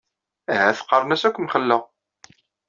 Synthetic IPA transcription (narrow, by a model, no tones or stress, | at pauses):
æhæθə̥qːərˤnæsækʷːmχəlːəʁ